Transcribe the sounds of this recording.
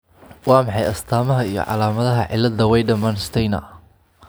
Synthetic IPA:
wɑːmɑħɑjɐst̪ʰaːmɐɦɐijɞ̰ʕɑ̰laːmɐðɐɦɐʕɪ̰lːɐd̪ɐwɛjɖɐmɐnst̪ʰɛjnɐ̰

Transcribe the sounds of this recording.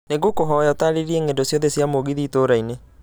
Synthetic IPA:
neɡokoɦɔjɔtaɾeɾiɛŋendosjɔðɛsjamoɣiðitoɾaine

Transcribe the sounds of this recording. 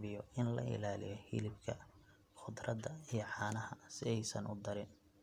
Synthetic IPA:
βɪjɔɪnlɐ̰ɪ̰laːlɪ̰jɔhɪ̰lɪbkʰɐ | χʊd̪rɐd̪ɐijɞʕɑːnɐhɐsɪɛjsɐnʔʊd̪ɐɾɪn

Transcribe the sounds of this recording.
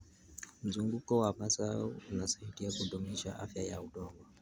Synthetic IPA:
m̩zuŋɡukɔwamasaɔunasaitiakuɗɔmiʃa̰ʔa̰fjajauɗɔŋɡwa

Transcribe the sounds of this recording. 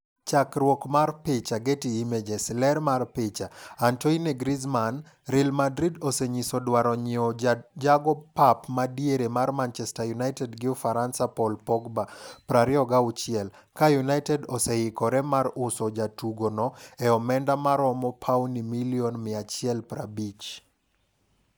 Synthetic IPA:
t͡ʃakɾwɔkmarpɪt͡ʃaɡetiimed͡ʒɛslɛɾmarpɪt͡ʃaːntɔineɡɾizman | ɾilmadɾidɔsɛɲisɔdwaɾɔɲɪɔd͡ʒaɡɔpapmadijeɾemarmant͡ʃɛstajunaɪtɛdɡɪɔfaɾansapɔlpɔɡbapɾaɾɪɔɡaʊt͡ʃɪɛl | kajunaɪtɛdɔsɛɪkɔɾɛmaɾʊsɔd͡ʒatuɡonɔɛɔmɛndamaɾɔmɔpʰawnimiliɔnmɪat͡ʃɪɛlpra̰bit͡ʃ

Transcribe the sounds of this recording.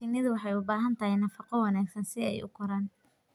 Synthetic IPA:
ɪnːɪðʊwɑħɑjʊbaːɦɐnt̪ʰɐhɪjnɐfɑqɔwɑnaːɡsɐnsɪɛ̰jʊ̰kʰɔɾaːn

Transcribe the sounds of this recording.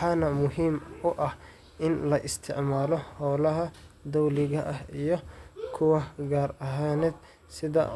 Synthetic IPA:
ħɑːnɐmʊɦiːmʊʔɐh | ʔɪnlɐʔɪst̪ʰɪʕmaːlɔhɔwlɐɦɐd̪ɔwlɪɣɐʔɐhijɔkʰʊwɐɡaːrɐɦaːnɛːd̪ | sɪðɐ̰

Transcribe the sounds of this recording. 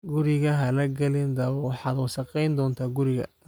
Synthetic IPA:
ɡʊɾɪɣɐɦɐlɐɡɐlɪnd̪ɐwɑħɑːd̪ɔʃɐqɛjnd̪ɔːnt̪ʰaːɡʊɾɪɣɐ̰

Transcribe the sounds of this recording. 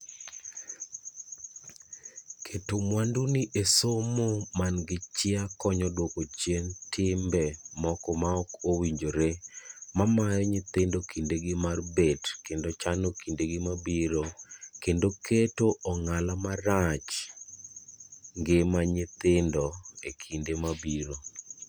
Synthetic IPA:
kʰetomwanduniʔesomomanɡɪt͡ʃɪakɔɲɔdwokot͡ʃjentʰɪmbɛmɔkɔmaɔkowiɲd͡ʒoɾemamajɔɲɪt̪ɪndokindeɡɪmarbetkendot͡ʃanokindeɡɪmabiɾokendokʰetoʔɔŋalamaɾat͡ʃ | ŋɡɪmaɲɪt̪ɪndɔekʰindemabiɾo

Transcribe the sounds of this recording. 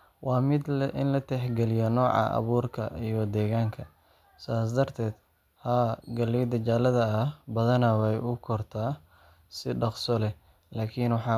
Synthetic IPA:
wɑːmɪd̪ʔɪ̰nlɐt̪ʰɛħɡɛlɪjɔnɔːʕɑ̰ʔɐ̰βuːrkʰɐ̰ijɔd̪ɛːɣaːŋkʰɐ | saːsd̪ɐrt̪ʰɛːd̪̥ | haɡɐliːd̪ɐt͡ʃaːlɐðɐːhbɐðɐnɐwɛjʊkʰɔrt̪ʰaː | sɪɖɑqsɔlɛ | laːkʰinwɑħɑː

